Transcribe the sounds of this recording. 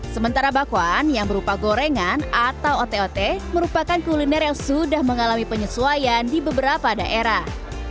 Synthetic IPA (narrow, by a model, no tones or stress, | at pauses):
səmənt̪aɾabakuanjaŋbəɾupaɡoɾeŋanat̪awot̪eot̪ɛməɾupakankulinɛrjaŋsudahməŋalamipəɲəsuajandibəbəɾapadaʔeɾah